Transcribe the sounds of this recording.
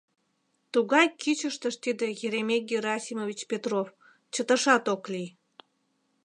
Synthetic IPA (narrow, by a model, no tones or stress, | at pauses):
t̪uɣɑjkyt͡ɕəʃt̪əʃt̪id̪ejeɾemek̚ɡʲeɾɑsʲimovʲit͡ɕpet̪rof | t͡ɕət̪əʃɑt̪oklij